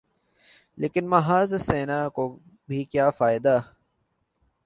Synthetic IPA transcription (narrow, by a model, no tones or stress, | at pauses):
leːkɪnmɐɦaːzseːnako | bʱikjaːfaːɪd̪aː